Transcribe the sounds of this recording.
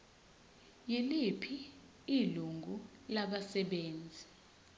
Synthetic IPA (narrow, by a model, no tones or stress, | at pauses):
jilipʰi | iluŋɡʱulaɓasɛɓeːnd͡zʱi